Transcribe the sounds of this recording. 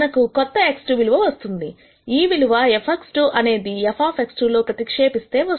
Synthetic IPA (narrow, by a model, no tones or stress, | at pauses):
nɐkukɔt̪ːɐeksʈuʋiluʋɐʋɐst̪und̪i | iːʋiluʋɐepʰɐksʈuʔɐne̞ːd̪iɛpʰaːpʰeksʈulo̞ːpɾɐt̪ikʂe̞ːpist̪e̞ːʋɐ